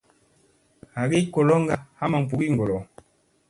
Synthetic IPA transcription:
ha˨ɡe˦kɔ˨lɔ˦ŋɡa˨ha˦ma˨m̩˨p̬u˨ɡi˦˨ŋɡɔ˨lɔ˨

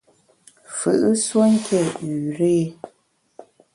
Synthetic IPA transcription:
fɨ̰˨ʔɨ˦swo˦ŋ̩˦kʰɛ˦˨ʉ˨ɾe˦

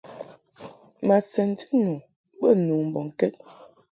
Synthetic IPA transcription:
ma˨sɛ˨nti˦nu˨ | bə˦˨nu˨m̩˨bɔ˨ŋ˨kɛ˦t̚

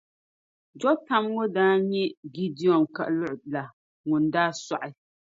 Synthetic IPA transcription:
d͡ʒɔ˦ta˦m˦ŋo˦daː˦ɲɛ˦ɡi˦di˦ɔ˨mka̰˨ʔlʊ˦ʔla˨ | ŋʊ˨ndaː˦sa˨ʔɪ˨˦

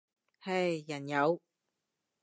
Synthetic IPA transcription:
hɐ˨˩jːɐ˨˩njɐ˨˧w

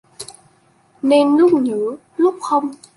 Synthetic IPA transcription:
neː˧nlu˦˥k͡p̚ɲɨː˨˦ | lu˦˥k͡p̚xo˧m

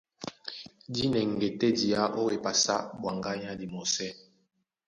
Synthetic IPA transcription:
di˦nɛ˨ŋ˨ɡɛ˨tɛ˦di˨ja˦ʔo˦we˨pa˨sa̰˦bwa˨ŋɡa˦ɲa˦di˨mɔ˨sɛ˦

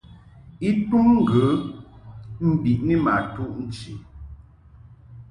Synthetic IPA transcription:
i˦tu˦ŋŋ̩˦ɡə˨˦ | m̩˦bi˨ʔni˦ma˨tu˦ʔn̩˦˨t͡ʃi˨

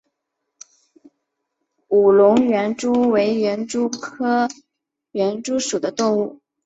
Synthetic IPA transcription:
u˨˩lʊ˧˥ŋɥɛ˧˥nʈ͡ʂu˥we˧˥ɪɥɛ˧˥nʈ͡ʂu˥kʰɤ˥ | ɥɛ˧˥nʈ͡ʂu˥ʂu˨˩d̪ə˦t̪ʊ˥˧ŋu˥˩

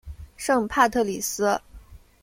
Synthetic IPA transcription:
ʂɤ˥˧ŋpʰa˥˧t̪ʰɤ˥˩li˨˩sɹ̩˥

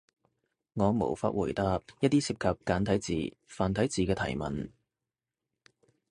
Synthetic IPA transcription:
ŋɔː˨˧mo̰˨˩wfa̰ː˧t̚wuː˨˩jt̪aː˧p̚jɐ˥t̚t̪iː˥siː˧p̚kʰɐ˨p̚kaː˨˥nt̪ʰɐ˨˥jt͡sḭː˨faː˨nt̪ʰɐ˨˥jt͡siː˨kɛː˧t̪ʰɐ̰˨˩jmɐ̰˨n

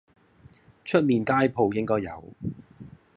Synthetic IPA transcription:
t͡ʃʰɵ˥t̚miː˨˧nkaː˥jpʰo˨˧wjɪ˥ŋkɔː˥jːɐ̰˨˧w

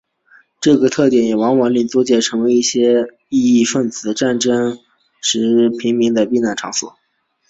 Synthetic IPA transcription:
ʈ͡ʂɤ˥˩ɡə˩t̪ʰɤ˥˩t̪jɛ˧˥˩njɛ˨˩wɑ˧˥ŋwa˧˥nli˥˩t͡sɔ˥t͡ɕjɛ˥˩ʈ͡ʂʰɤ˧˥ŋwe˧˥ɪi˥˩ɕjɛ˥ | i˥˧i˥˧fə˥˩nt͡sɹ̩˨˩d̪ə˦ʈ͡ʂa˥˩nʈ͡ʂɤ˥ŋ | ʂɻ̩˧˥pʰi˧˥ŋmi˧˥ŋd̪ə˧pi˥˧na˥˩nʈ͡ʂʰɑ̰˧˥ŋswɔ̰˨˩˦

